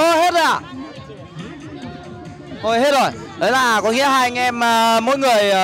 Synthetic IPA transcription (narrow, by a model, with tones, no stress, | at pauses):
o˧˦ɦe˦˥t̚ʔa̰ː˧˩ | ʔo˧˩jhe˦˥t̚zo˨˩j | ʔəː˨˦jlaː˨˩˨kɔ˨˦ŋḭ˧˥əɦaː˧ŋ˧ɛ˧məː˨˩mo̰˧˦jŋɨ˨˩əj